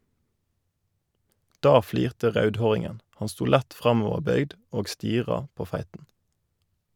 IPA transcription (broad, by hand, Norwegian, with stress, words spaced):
ˈdɑː ˈfliːʁtə ˈʁɑʉdˌhoːʁɪŋən ˈhɑn ˈstuː ˈlɛt ˈfʁɑmɔʋəʁˌbœʏɡd ˈoːɡ ˈstiːʁɑ ˈpoː ˈfæɪtn̩